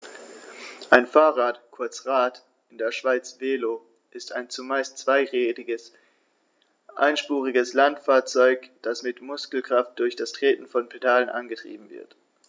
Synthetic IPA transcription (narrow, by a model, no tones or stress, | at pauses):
ʔaɪnfaːʁaːtkʰʊɐt͡sʁaːt | ʔɪndeːɐʃv̥aɪt͡sv̥eːlo | ʔɪsta̰ɪnt͡sumaɪstt͡sv̥aɪʁeːtɪɡəs | ʔa̰ɪnʃpuːʁɪɡəslantfaːɐt͡sɔʏkd̥asmɪtmʊskl̩kʁ̥aft̚d̥ʊɐçd̥astʁ̥eːtn̩fɔnpʰedaːlənʔa̰nɡətʁ̥ḭːb̚m̩vɪ̰ɐt